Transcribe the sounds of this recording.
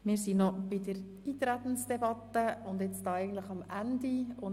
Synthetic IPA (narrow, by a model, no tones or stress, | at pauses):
mɪːɾsinɔb̥idəɾ | iːt̪ɾæt̪n̩sd̥ɛbɑt̪ːəʊnd̪ɛt͡stɑːɛɪɡən̩t̪ləχɑmʔændiʊn